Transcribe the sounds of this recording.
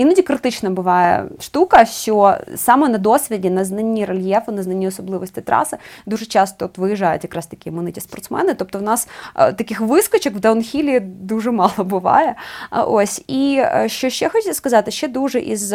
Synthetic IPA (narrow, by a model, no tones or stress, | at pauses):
inudʲɪkɾɨt̪ɨt͡ɕnəbɨvajə̰ʂt̪ukəfsʲosamənɐd̪o̞svʲɪdʲɪnɐznɐnʲːiɾɐlʲjefʊnɐznɐnʲiɐsɐblˠɨvəsʲtʲɪt̪ɾa̰sɨd̪uʐɨt͡ɕast̪əot̪vɨjɪʐajʊ̰t̪kɐkɾast̪ɐ̥kʲiəmɐnɨtʲɪspɐrt̪smɛ̰nɨt̪op̚t̪oʊnast̪ɐkʲixvɨskɐt͡ɕɪkvd̪ɐʊnxʲilʲɪd̪uʐɨmɑlˠəbɨva̰jə̰ʔosʲiɕːoɕːexotʲit̪ʲəskɐzatʲɐɕːed̪uʐɨʔḭz